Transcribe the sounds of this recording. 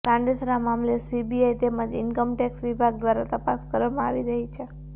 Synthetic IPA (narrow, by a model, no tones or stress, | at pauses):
kãɳɖet̪ʰɾamamlesibiajt̪emãd͡ʒɪnkəmʈɛksʋibʱaɡd̪ʋaɾat̪əpaskəɾʋamãaʋiɾəɦit͡ʃʰe